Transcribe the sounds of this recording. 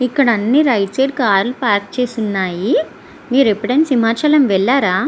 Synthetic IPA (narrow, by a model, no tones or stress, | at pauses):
ikːɐɽɐnːiɾɐjʈseːɖ̚kaːɾlupaːɾk̚t͡ʃeːsunːaːji | miːɾepːɐʈɐnsimaːt͡ʃɐlɐmʋɛɭːaːɾaː